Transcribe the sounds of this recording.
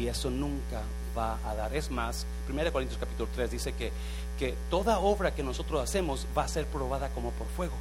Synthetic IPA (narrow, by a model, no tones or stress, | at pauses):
ie̞so̞nũŋka | βaːðaɾe̞zmas | pɾimeaðkoint̪joskapit̪ulot̪ɾezðise̞ke | ket̪o̞ðao̞βɾake̞no̞so̞t̪ɾo̞sase̞mo̞zβase̞ɾpɾo̞β̞aðako̞mo̞po̞ɾfwe̞ɣo̞